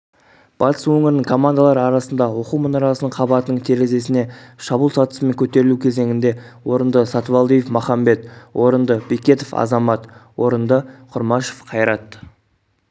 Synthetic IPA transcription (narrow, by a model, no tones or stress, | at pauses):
b̥ɑt̪ʰə̥swɵŋɪɾɪnɪŋkʰo̞mand̪alˠɑɾəɑɾɑsənd̪ɑwo̞quwmənɑɾɑsənəɴqʰɑbɑt̪ənəɴt̪ʰe̞ɾe̞ze̞sɪne̞ʃɑbuːlˠsɑt̪ə̥səme̞ŋkʲʰɵt̪e̞ɾɪlukʲʰe̞ze̞ŋɪnd̪e̞ | wo̞ɾənd̪əsɑt̪vɑlˠd̪ijefmɑχɑmbe̞t̪wʔo̞ɾənd̪əbekʲe̞t̪ofɑ̰zɑmɑt̪wo̞ɾənd̪əqʰʊɾmɑʃo̥fqʰɑjɾɑt̪